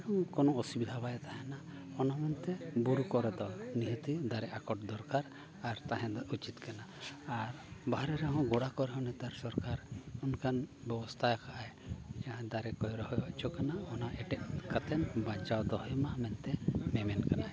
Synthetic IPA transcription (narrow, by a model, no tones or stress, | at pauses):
ɔ̃kɔnɔɔsibid̪ʱabajt̪aɦɛ̃na | ɔnamɛnt̪ɛbuɾukɔɾɛd̪ɔniɦət̪id̪aɾɛʔakɔʈ̚d̪ɔɾkaɾ | aɾt̪aɦɛ̃d̪ɔʔut͡ʃit̪kanaːɾbaɾɛɾɛɦɔ̃ɡɔɽakɔɾɛɦɔ̃nɛt̪aɾsɔɾkaɾunkʰanbɛbɔst̪ʰajkaʔajjãd̪aɾɛkɔjɾɔhɔjbaʔt͡ʃʰɔkanaɔnaʔɛʈɛʔ̚kat̪ɛnbat͡ʃawd̪ɔɦɔjmamɛnt̪ɛmɛmɛnkana